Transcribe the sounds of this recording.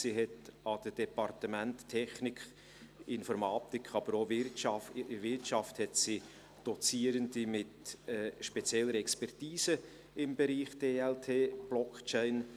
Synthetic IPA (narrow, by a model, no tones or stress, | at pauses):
siɦɛtɑd̥əd̥ɛpɑɾtəmɛntːʰɛχnɪk | ɪnfɔɾmɑːt̪ɪkχɑb̥əɾovɪɾtʃɑfvɪrtʃɑfthɛtsi | d̥ɔt͡siːəɾəndimɪtɛʃpɛt͡sjɛlːəɾɛkspɛrtiːsə | ɪmbɛɾiːχd̥eːɛltʰeːb̥lɔkt͡ʃɛɪn